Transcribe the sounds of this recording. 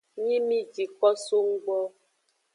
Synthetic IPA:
ɲi˦mi˦d͡ʒi˨kɔ˦so˦ŋ̩˦ɡʷɔ˦

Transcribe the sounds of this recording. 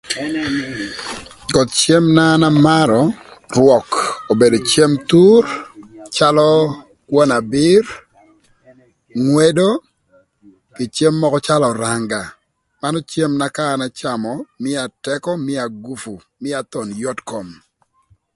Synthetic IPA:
ɡɔ˨t̪̚t͡ʃe˦mna˦na˦ma˦ɾɔ˨rwɔ˨ko˨be˨do˨t͡ʃe˦mt̪u˦rt͡ʃa˦lɔ˦ | kwɔ˦na˨bɪ˦r | ŋwe˦do˦ | kɪ˨t͡ʃe˦mːɔ˦kɔ˦t͡ʃa˦lɔ˨ɾa˨ŋɡa˨ | ma˦nɔ˦t͡ʃje˦mna˦kaː˦˨na˦t͡ʃa˨mɔ˨mɪ˦a˨tɛ˦kɔ˦mɪ˦a˨ɡu˦fu˨ | mɪ˦a˨t̪ɔ˨njɔ˦tkɔ˨m

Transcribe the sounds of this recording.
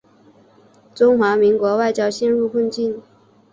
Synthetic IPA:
ʈ͡ʂʊ˥ŋxwa˧˥mi˧˥ŋkwɔ˧˥wa˥˩ɪt͡ɕjɑ˥ʊɕjɛ˥˧nɻu˥˧kʰwə˥˧nt͡ɕi˥˩n

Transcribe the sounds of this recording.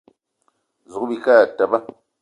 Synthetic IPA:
zu˨kbi˨ka˦˨ta˨ba˦

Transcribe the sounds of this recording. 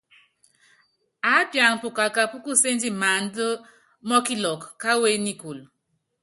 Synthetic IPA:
a˨˦pja˨ŋ˨pu˨ka˨ka˨pu˦ku˦se˦n˦d͡ʒi˦ma˨n˦də˦ | mɔ˦ki˦lɔ˨kːa˦we˦ni˦ku˨l

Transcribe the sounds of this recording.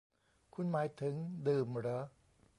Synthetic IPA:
kʰu˧˥nmaː˧˦jt̪ʰɨ˧˦ŋd̪ɯ˨mɾə˨˦

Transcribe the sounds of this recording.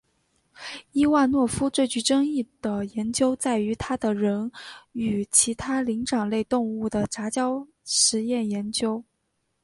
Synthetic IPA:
i˥wa˥˧nwɔ˥˩fu˥t͡swe˥˩ɪt͡ɕy˧˥ʈ͡ʂɤ˥ŋi˥˩d̪̥ə˩jɛ˧˥nt͡ɕjo˥ʊt͡sa˥˩ɪy˧˥t̪ʰa˥d̪ə˨ɻə˧˥ny˨˩t͡ɕʰi˧˥t̪ʰa˥li˧˥ŋʈ͡ʂɑ˨˩ŋle˥˧ɪt̪ʊ˥˧ŋu˥˩d̪ə˩ʈ͡ʂa˧˥t͡ɕjɑ˥ʊ | ʂɻ̩˧˥jɛ˥˩njɛ˧˥nt͡ɕjo˥ʊ

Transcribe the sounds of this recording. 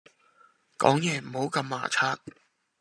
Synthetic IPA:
kɔ̰ː˨˥ŋjɛː˨˩m̩˨˩ho˨˥wkɐ˧mːa̰ː˨˩t͡sʰaː˧˥t̚

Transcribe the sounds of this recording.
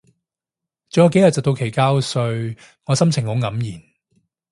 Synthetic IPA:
t͡sɵ˨jɐ˨˧ke˨˥jɐ˨t̚t͡sɐ˨˩t̪o˧wkʰe˨˩jkaː˥wsɵ˧ɥ | ŋɔː˨˧sɐ˥mt͡sʰɪ˨˩ŋho˨˥ŋɐ˨˥mjiː˨˩n

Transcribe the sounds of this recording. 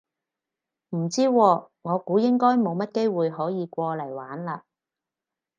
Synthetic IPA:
m̩˨˩t͡siː˥wɔː˧ | ŋɔː˨˧kuː˨˥jɪ˥ŋkɔː˥jmo˨˧wmɐ˥t̚ke˥jwuː˨jɦɔː˨˥jiː˨˧kʷɔː˧lɐ˨˩jwaː˨˥nlaː˧

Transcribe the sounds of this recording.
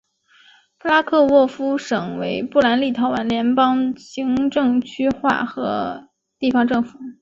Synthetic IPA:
pʰu˥la˥kʰɤ˥˧wɔ˥˩fu˥ʂɤ˨˩ŋwe˧˥ɪpu˥˩la˧˥nli˥˩t̪ʰɑ˧˥ʊwa˧˥nljɛ˧˥npɑ˥ŋɕi˧˥ŋʈ͡ʂɤ˥˧ŋt͡ɕʰy˥xwa̰˥˩xɤ˧˥ | t̪i˥˩fɑ˧˥ŋʈ͡ʂɤ˥˩ŋfu˨˩˦

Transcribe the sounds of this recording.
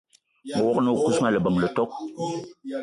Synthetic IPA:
mə˨wɔ˦kno˦˨ku˦sma˦lə˨bə˨ŋlə˨tɔ˦k̚

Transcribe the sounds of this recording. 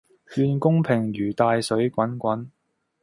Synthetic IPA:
hyː˧nkʊ˥ŋpʰɪ˨˩ŋɥyː˨˩t̪aː˧jsɵ˨˥ɥkʷɐ˨˥nkʷɐ˨˥n

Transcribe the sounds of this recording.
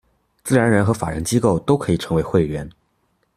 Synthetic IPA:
t͡sɹ̩˥˩ɻa˧˥nɻə˧˥nxɤ˧˥fa˨˩ɻə̰˧˥nt͡ɕi˥ko˥˩ʊt̪o˥ʊkʰɤ˧˥i˨˩ʈ͡ʂʰɤ˧˥ŋwe˧˥ɪxwe˥˧ɪlɥɛ˧˥n

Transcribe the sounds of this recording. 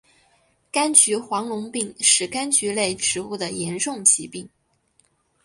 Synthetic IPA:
ka˥nt͡ɕʰy˧˥xwɑ˧˥ŋlʊ˧˥ŋpi˥˧ŋʂɻ̩˥˩ka˥nt͡ɕʰy˧˥le˥˩ɪʈ͡ʂʰɻ̩˧˥u˥˩d̪ə˩jɛ˧˥nʂʊ˥˩ŋt͡ɕʰi˧˥pi˥˩ŋ

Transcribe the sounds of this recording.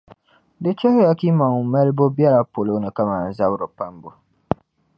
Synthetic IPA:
dɪ˦t͡ʃɛ˦hɪ˦ja˨ki˦ma˨ŋ˨mɛ˦lbo˦bɛ˦ɾa˦po˨lo˦nɨ˨ka˦maː˨n˨za˦bɾo˨pa˦mbo˨

